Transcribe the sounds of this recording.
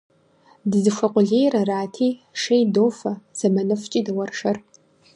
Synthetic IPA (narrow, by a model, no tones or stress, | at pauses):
dɨzɨʂʷɐqʷʼʊɮeːjrɐraːtʰiːʂejdoːfɐz̥ɐmɐnɨft͡ʃʼidɨwɐrʂɐr